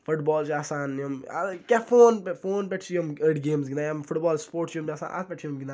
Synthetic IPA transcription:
fʊʈbɔːlt͡ʃaːsaːnɐma̰kʲafoːnpfoːnpʲɛʈt͡ʃʰiɐməɖɡeːmzɡinaːjmfʊʈbɔːlspoːɾʈt͡ʃoːmt͡ʃaːsa̰ːnʔa̰t̪̚pʲɛʈt͡ʃʰimɡʲind̪a

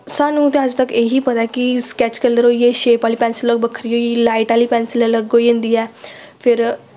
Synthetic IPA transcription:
sanũt̪eɦad͡zt̪əkeɦiːpəd̪ajkiskɛt͡ɕkɛləɾojeɕepaliːpɛnsiləbəkʰəɾjojilaiʈalipɛ̃nsilələɡojend̪ijɛ | feɾ

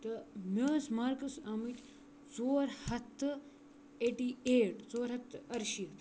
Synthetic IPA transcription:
t̪ɐmʲoːsmaːɾkɐsamit̪ʲ | t͡soːɾhɐt̪ː | eːʈiːeːʈt͡soːɾɦɐt̪ːɐɾʃit̪

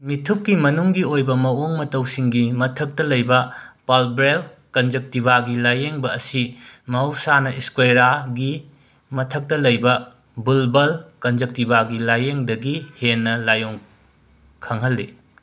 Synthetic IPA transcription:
mitʰuk̚kimɐnuŋɡiojbɐmɐwoŋmɐtɐwsiŋɡimɐtʰɐk̚tɐlɐjbɐpalbɾel | kɐnd͡ʒek̚tiβaɡilajeŋbɐːsimɐwsanɐʔiskweɾaɡi | mɐtʰɐk̚tɐlɐjbɐ | bulbɐlkɐnd͡ʒek̚tibaɡilajeŋdɐɡihenːɐlajoŋ | kʰɐŋɦɐlːi

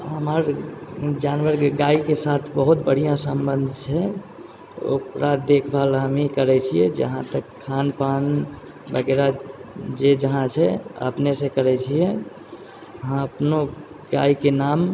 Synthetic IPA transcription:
ɦəməɾ | d͡ʒaːnʋəɾɡaikesat̪ʰbəɦut̪̚bəɽ̤ijãsə̃mbə̃nd̪ʱt͡ʃʰɛ | o̰pɾad̪d̪ekʰbalɦəmikəɾɛt͡ʃʰijɛ̰d͡ʒə̰ɦãt̪əkʰːanpan | bəɡeɾad͡ʒed͡ʒəɦãt͡ʃʰɛə̰pnesẽkəɾɛt͡ʃʰiɛ | ɦãəpno | ɡa̰ikenaːm

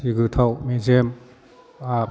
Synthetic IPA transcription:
iɡɯt̪ʰawmezem | a

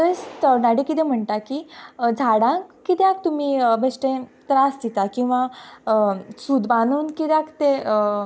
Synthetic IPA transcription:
t̪əst̪ənaɽikit̪ẽm̤əɳʈ̪akiːd͡zʱaɽãŋkːit̪jak̚t̪um̤ibəsʈẽt̪ɾasd̪it̪akĩw̃ʋa | sud̪banuːnkit̪jãkt̪eə

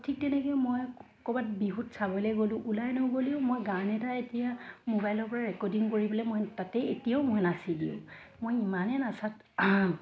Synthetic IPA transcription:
tʰik̚tɛnɛɡɛjmojɔkɔbat̚biɦutsabɔlɛɡolʊ̃ʔulajnoɡoliʊ̃mojɡanɛtaetijamobajlɔɹpɔɹaɹɛkɔdiŋkoɹibɔlɛmojtatɛetijaʊmojnasidiʊ̰̃ | mojimanɛnasat | a

